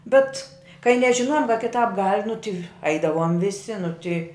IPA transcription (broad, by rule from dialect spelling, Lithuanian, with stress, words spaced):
ˈbʲɛt kɐɪ nʲɛʒʲɪˈnoːjoːm kɐ kʲɪˈtɑːp ɡɐlʲ nʊ tʲɪ ˈɐɪdɐʋoːm ʋʲɪˈsʲɪ nʊ tʲɪ